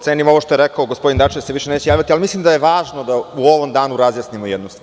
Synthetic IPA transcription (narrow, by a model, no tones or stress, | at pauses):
t̪eːnimoʋoʃt̪oeɾekaoɡo̞spod̪ind̪at͡ʃid̪seʋiʃenet͡ɕejaːʋjat̪ialimislˠimd̪ajeʋaːʒno̞d̪auo̞ʋo̞md̪aːnuɾazjasnimojɛd̪nust̪ʋa